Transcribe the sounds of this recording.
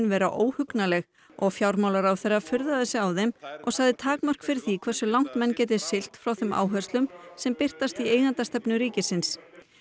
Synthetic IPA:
nvɛːɾa̰ʔoːwhʏknalɛɣ | ɔɣfjawɾmawlaɾawθerːafʏɾðaðɪsɪawðɛmɔ̰ɣsaɣðɪt̪ʰaːkmœr̥kfɪɾɪθikʰvɛr̥sʏlawn̥t̪mɛnːcɛːt̪̬ɪsɪl̥t̪fɾawθʏma̰ːwɦœst̪lʏmsɛmpɪr̥t̪ast̪ieːjɣant̪ast̪ɛpnʏɾiːcɪsɪns

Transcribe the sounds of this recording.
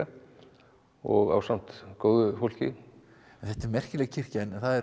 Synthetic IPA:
a | ɔɣa̰wsam̥t̪koːwðʏfowl̥cɪ | ɛnθɛht̪ɛɾmɛr̥cɪlɛːɣcʰɪr̥cɛnnθaðɛ

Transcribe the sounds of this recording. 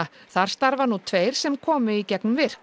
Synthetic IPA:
θaɾ̥st̪aɾvanut̪ʰveːjɾ̥sɛmkʰɔːmʏicɛknvɪɾ̥

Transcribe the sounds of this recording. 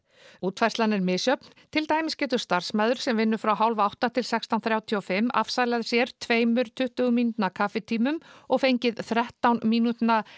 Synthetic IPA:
uːt̪fajrstlanɪɾmɪːsjœpn̥ | t̪ʰɪlt̪aːjmɪscɛːt̪ʏɾ̥st̪ar̥smaːðʏɾ̥sɛmvɪnːʏfɾawɦawlvaawht̪at̪ʰɪlsɛkst̪awnθɾjaːwt̪ʰiɔfɪmːa̰fsalɛaðsjɛɾ̥t̪ʰveːjmʏɾ̥t̪ʰʏht̪ʏɣʏmint̪nakʰaːfɪt̪ʰiːmʏmɔɣfejɲcɪðθɾɛht̪awnmiːnut̪na

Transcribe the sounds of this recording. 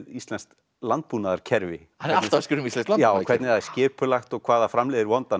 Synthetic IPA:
ðist̪lɛnst̪ | lant̪̚puːnaðaɾ̥cʰɛɾvɪ̰ | hanɛɾaltt̪askʏɾʏmistlɛnst̪laj̪aːwkʰvɛɾt̪ɪɾaðɛ̥scɪːpʏlaxt̪ɔɣkʰv̥aːðafɾamlɛːðɪɾvɔnt̪an

